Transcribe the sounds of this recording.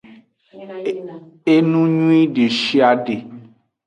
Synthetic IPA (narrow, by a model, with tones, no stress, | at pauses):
e˦nũ˦ɲũ˦i˦ɖe˨ʃi˦a˨ɖe˨